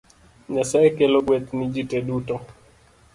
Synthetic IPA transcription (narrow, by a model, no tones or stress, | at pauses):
ɲasaɛkɛlɔɡwɛt̪nid͡ʒitɛɗutɔ